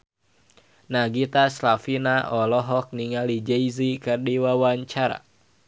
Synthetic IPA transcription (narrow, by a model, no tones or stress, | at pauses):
naɡit̪aslafinaʔɔlɔɦɔk̚niŋalid͡ʒeizikɨrdiwawaɲt͡ʃaɾa̰